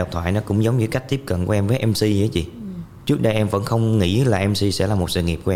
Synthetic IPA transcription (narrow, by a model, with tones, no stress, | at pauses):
ɗə˨˩k͡p̚t̪ʰwa̰ː˧˨jnɔ˨˦kʊ̰˧˥ŋ͡mzə˨˦wŋ͡mɲɨ˧˩ka˦˥jk̟̚t̪i˦˥əp̚kə̰˧˨nku˧˦ʔɛ˧mvəː˨˦jʔɛ˧msi˧˨˧t͡ɕḭ˧˩˨ | t͡ɕɨ˦˥ək̚ɗə˧jʔɛ˧mvə̰˧˥nxə˧wŋ͡mŋḭ˧˥laː˨˩ʔɛ˧msi˧sɛ̰˧˥laː˨˩mo˨˩t̚sɨ̰˧˨ŋi˨˩əp̚kː